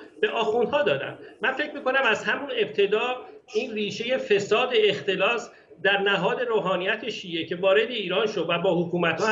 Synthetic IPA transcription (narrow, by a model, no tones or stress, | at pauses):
b̥e̞ʔɒːxund̪̥hɒːd̪ɒːd̪æ̰mmænfe̞cʰmiːko̞næmæzɦæmune̞b̚t̪ʰe̞d̪ɒːiːnriːʃe̞je̞fe̞sɒːd̪e̞ext̪e̞lɒːs | d̪æɾnæɦɒːd̪e̞ɾoːɦɒːnijæt̪ʰe̞ʃiːe̞cʰe̞vɒːɾe̞d̪e̞iːɾɒːnʃod̪væbɒːhokʰuːmæt̪hɒː